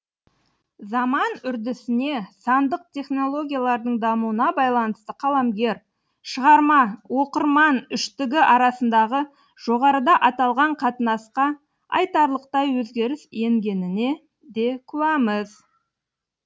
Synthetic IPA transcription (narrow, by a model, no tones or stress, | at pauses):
zɑmɑnʏɾd̪ɪsɪne̞sɑnd̪əq̚t̪ʲʰe̞χno̞lˠo̞ɡʲijalˠɑɾd̪əɴd̪ɑmuwənɑbɑjlˠɑnəst̪əqʰɑlˠɑmɡʲe̞ɾ | ʃəʁɑɾmɑwo̞qəɾmɑnʏʃt̪ɪɡʲɪʔɑɾɑsənd̪ɑʁə | ʒ̥o̞ʁɑɾəd̪ɑʔɑt̪ɑlˠʁɑɴqʰɑt̪ənɑsqɑ | ɑ̰jt̪ɑɾlˠəq̚t̪ɑjwɵzɡʲe̞ɾɪse̞ŋɡʲe̞nɪne̞ | d̪e̞kʲʰʉwæməz